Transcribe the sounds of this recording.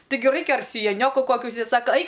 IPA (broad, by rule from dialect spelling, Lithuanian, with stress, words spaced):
ˈtʲɪɡʲɪ ˈrɐɪkʲɛ ɐr sʲɪjɛˈnʲoːkʊ ˈkoːkʲʊ ʊʃʲsʲɪˈdʲeːt ˈsɑːkɐ ˈɐɪk